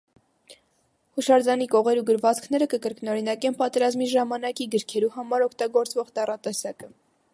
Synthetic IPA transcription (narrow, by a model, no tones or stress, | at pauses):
huʃɑɾd͡zɑnikɔʁɛɾuɡəɾvɑt͡skʰn̪ɛɾəkəkəɾknɔɾinɑkɛnpɑt̪ɛɾɑzmiʒɑmɑnɑkiɡəɾkʰɛɾuɦɑmɑɾɔkʰt̪ɑɡɔɾt͡svɔʁt̪ɑrɑt̪ɛsɑkə